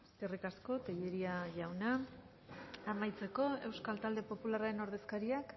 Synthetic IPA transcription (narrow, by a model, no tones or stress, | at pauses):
eskerikasko̞t̪eʎeɾiaʝawna | amajt͡se̞ko̞e̞wskalt̪ald̪e̞po̞pularaɾe̞no̞ɾð̞e̞skaɾiak